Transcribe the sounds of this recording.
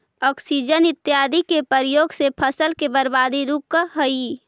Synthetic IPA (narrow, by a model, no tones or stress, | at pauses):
ɔːksid͡ʒənɪt̪ːjaːd̪ikepəɾjoːɡsepʰəsəlkebəɾbaːd̪iɾuːp̚kəɦəi